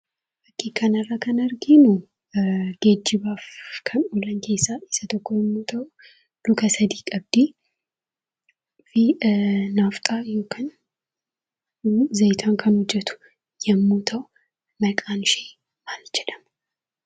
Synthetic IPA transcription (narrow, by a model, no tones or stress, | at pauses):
bɐkːiːkʰːɐnɐrːaːkʰɐnɐɾɡinu | ɡ̥eːd͡ʒːɪbaːfkʰɐnulɐŋkʰeːsːaɪsɐt̪ɔkːɔjɛmːuːt̪ʰɐw | lʊkʰɐsɐd̪iːkʼɐb̚d̪̥i | finaft̪ʼajoːkʰɐn | zɐjt̪ʰaŋkʰɐnhʊd͡ʒːɛt̪ʰʊ̥ | jɛmːut̪ʰɐw | mɐkʼaːnʃeː | maːld͡ʒɛᶑ̪ɐm